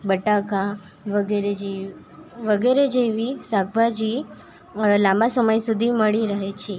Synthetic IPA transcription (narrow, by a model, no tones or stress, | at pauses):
bəʈaka | ʋəɡeɾed͡ʒe | ʋəɡeɾed͡ʒeʋisaɡ̚bʱad͡ʒi | lãmbasəməjsud̪ʱiməɭiɾəɦet͡ʃʰe